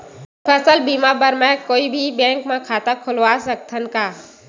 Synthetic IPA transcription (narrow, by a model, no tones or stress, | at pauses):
pʰəsəlbiːmabəɾmɛ̃koːibʱibɛ̃ːŋkmẽkʰaːt̪akʰʊlʋaːsək̚t̪ʰənkaː